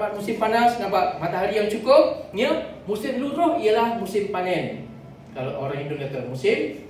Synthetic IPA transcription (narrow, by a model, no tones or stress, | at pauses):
bat̪̚musɪmpanasnabaʔmat̪aɦaɾijaŋt͡ʃukʊp̚nəmusɪmluɾʊhialahmusɪmpanɛn | kaloʔoɾaŋindonɛt̪əmusɪm